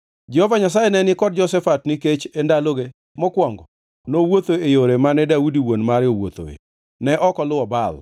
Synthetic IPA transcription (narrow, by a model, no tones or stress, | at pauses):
d͡ʒɛhovaɲas̬ajenɛnɪkɔd̚d͡ʒɔsɛfatniket͡ʃendaloɡe | mɔkwɔŋɡɔ | nowot̪oejoɾemanɛdaudiwonmaɾjowo̰t̪o̰ḛ | nɛʔɔkɔlʊwɔbal